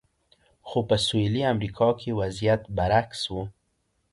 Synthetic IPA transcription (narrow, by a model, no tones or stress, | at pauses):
xopəsoliamɾikʰɑkʰewazijat̪baɾakswu